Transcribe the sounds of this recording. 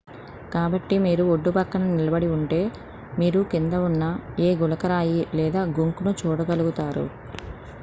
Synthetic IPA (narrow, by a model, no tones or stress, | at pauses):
kaːbɐʈːimiːɾuoɖːupɐkːɐnɐnilɐbɐɽiuɳʈe̞ː | miːɾukind̪ɐunːɐe̞ːɡulɐkɐɾaːjilɛːd̪aːɡuŋkunut͡ʃuːɽɐɡɐluɡut̪aːɾṵ